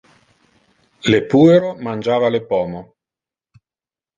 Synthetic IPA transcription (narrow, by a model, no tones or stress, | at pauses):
lepuːeɾomand͡ʒaːvalepɔːmo